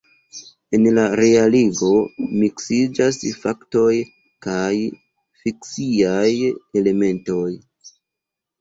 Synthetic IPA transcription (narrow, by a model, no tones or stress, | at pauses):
e̞nlaɾe̞aliɡo̞miksid͡ʒasfakto̞j | kaj | fiksiaje̞le̞me̞nto̞j